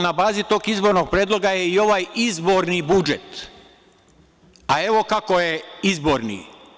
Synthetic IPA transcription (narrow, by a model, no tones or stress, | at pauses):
nabaːzit̪o̞ːɡizbo̞ɾnoɡ̚pɾjeːd̪lˠo̞ɡajeio̞ʋajizbo̞ɾnibud͡ʒḛt̪ | ae̞ʋo̞kako̞jeizbo̞ːɾnḭ